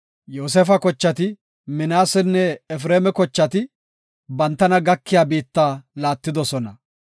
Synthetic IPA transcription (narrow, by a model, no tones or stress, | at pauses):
joːs̬ɛfɐkɔt͡ʃːɐt̪ɪ | mɪnaːsɛnːɛɛfɾeːmɛkɔt͡ʃːɐt̪ɪ | bɐnt̪ːɐnɐɡɐkːɪjaːbiːt̪ːaːlaːt̪ːɪd̪ɔsɔnɐ